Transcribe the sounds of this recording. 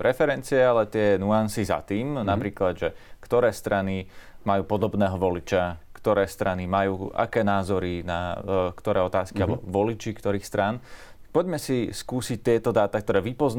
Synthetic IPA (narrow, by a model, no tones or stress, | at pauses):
ɾɛfɛɾɛnt͡siɛalɛt̪ɪɛnuansiza̰t̪iːmnapɾiːklad̪ʒɛkt̪ɔɾɛːst̪ɾanimajuːpɔd̪ɔbnɛːɦɔʋɔlit͡ʃakt̪ɔɾɛːst̪ɾanimajuːa̰kɛːnaːzɔɾinakt̪ɔɾɛːɔt̪aːskialɛbɔʋɔlit͡ʃikt̪ɔɾiːxst̪ɾan̚ | pɔɟmɛsiskuːsic̚t̪ɪɛt̪ɔd̪aːt̪ak̚t̪ɔɾɛːʋipɔzn